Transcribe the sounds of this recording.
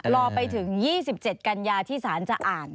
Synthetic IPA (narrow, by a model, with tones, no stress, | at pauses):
ɾɔː˧pa˧jt̪ʰɯ˩˦ŋjiː˥˩s̬i˨˩p̚t͡ɕe˨˩t̪̚ka˧njaː˧t̪ʰiː˥˩saː˩˦nt͡ɕa˨˩ʔaː˨˩n